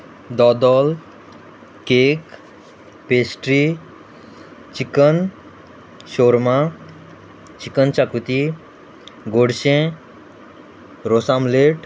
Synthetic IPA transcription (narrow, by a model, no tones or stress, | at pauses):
d̪ɔd̪ɔl | keːk | peːsʈɾi | t͡ʃikən | ʃoɾma | t͡ʃikənt͡ʃakut̪i | ɡoɽʃẽ | ɾosamleʈ